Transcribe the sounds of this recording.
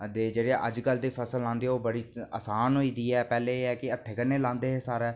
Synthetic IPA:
d̪eːd͡ʒeːɽeːʔə̰d͡ʒkəld̪eːpʰəsəlːãːnd̪eːoːbəɽiːəsaːnɦoːiːd̪iːɛːpɛːleːeːɛːkɪət̪ʰːeːkənːeːlãːnd̪eːɦesaːɾɛː

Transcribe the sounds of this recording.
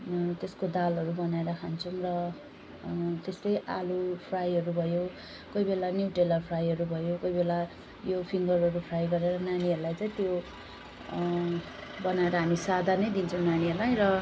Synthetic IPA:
t̪eskod̪alɦʌɾubʌnaeɾʌkʰant͡sʰʌmrʌ | t̪est̪ʌjʔa̰lupʰrajʌɾubʱʌjo | kojbelanjuwʈelʌrpʰrajɦʌɾubʱʌjokojbela | jopʰiŋɡʌrɦʌɾupʰrajɡʌɾeɾʌnaniʌɾulajt͡saĩt̪jo | bʌnaeɾʌɦamisad̪ʱanʌjd̪int͡sʰʌw̃naniʌɾlajɾʌ

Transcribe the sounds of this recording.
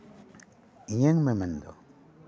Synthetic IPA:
iɲeŋmemendo̰

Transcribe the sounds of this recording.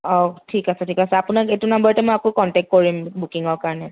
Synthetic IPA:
ɔtʰikasɛtʰikasɛapʊnaketunambɔɹtɛmɔjakokɔntɛk̚t̚koɹimbukiŋɔɹkaɹɔnɛ

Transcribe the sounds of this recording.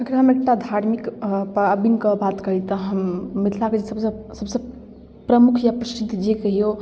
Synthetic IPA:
əkʰɾɦəmek̚ʈad̪ʱaɾmikpəbinkəbat̪kəɦit̪ɔɦəmːit̪ʰlaked͡ʒesəbsəsəbsə̃ | pɾəmukʰjapɾəsʈit̪d͡ʒekəɦijo

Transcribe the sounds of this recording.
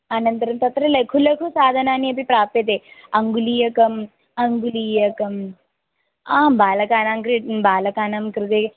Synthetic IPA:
ɐnɐnt̪ɐɾɐmt̪ɐt̪ɾɐlɐkʰulɐkʰusaːd̪ʱɐnaːniɐpipɾaːpet̪̬eɐŋɡulijɐkɐm | ɐŋɡulijɐkɐm | aːbaːlɐkaːnaːmkɾiʈbaːlɐkaːnaːmkɾɪt̪e

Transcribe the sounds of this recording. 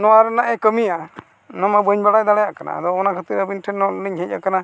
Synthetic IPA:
nɔwaɾɛnaʔɛkəmija | nɔmabəɲbaɽajd̪aɽɛjaʔkana̰d̪ɔɔnakʰət̪iɾəbinʈʰɛnːɔlniɲɦic̚ʲˀa̰kana

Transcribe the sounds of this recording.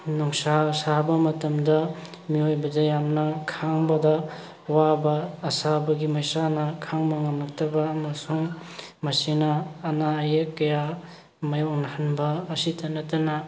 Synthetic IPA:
nuŋsasabɐmɐtɐmdɐ | miojbɐdɐjamnɐkʰaŋbɐdɐ | wabɐːsabɐɡimɐjsanɐkʰaŋbɐŋɐmnɐk̚tʰɐbɐːmɐsuŋ | mɐsinɐːnaɐjekːɐja | mɐjɔŋnɐhanbɐːsitʰɐnɐtɐnɐ

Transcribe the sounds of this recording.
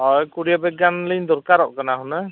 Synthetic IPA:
ɔjkuɽijabɛɡanləjnd̪ɔɾkaɾɔʔkanaɦuna

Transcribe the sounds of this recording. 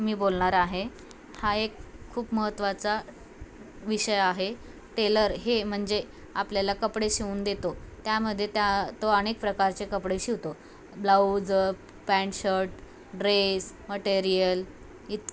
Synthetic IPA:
miːbolɳaɾaɦe | haekʰːuːpməɦət̪ːʋat͡sa | ʋiɕəjaɦe | ʈeləɾɦem̤əɳd͡ze | apljalakəpɽeɕiʋuːnd̪et̪ot̪jaməd̪ʱːjet̪jat̪oənek̚pɾəkaɾt͡ɕekəpɽeɕiʋt̪o | blaud͡z | pæɳɕəɾʈ̚ | ɖɾesməʈeɾijəl | it̪

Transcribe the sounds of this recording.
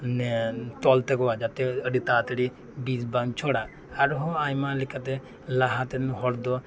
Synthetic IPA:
net̪ɔlt̪ekɔad͡ʒat̪eəɖit̪aːt̪əɽi | bisbaŋt͡ʃʰoɽa | aɾɦõaːjmalikat̪e | laɦat̪enɦɔɽd̪ɔ

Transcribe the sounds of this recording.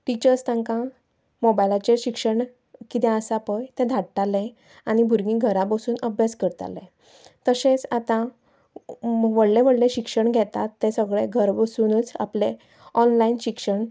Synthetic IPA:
ʈit͡ɕəɾst̪ãŋkã | mobajlat͡ɕeɕikʂəɳ | kit̪ɛ̃əsapəjt̪ɛ̃d̪ʱaʈʈalɛ̃ | aɽ̃ibʱuɾɡĩɡʱəɾãbəsuːnəbʱjaskəɾt̪a̰lɛ̰̃ | t̪əsẽt͡sat̪ã | ʋəɽlẽʋəɽlẽɕikʂəɳɡʱɛt̪at̪ːɛ̃səɡɭeɡʱəɾbəsunət͡sa̰ple | ɔnlainɕikʂəɳ

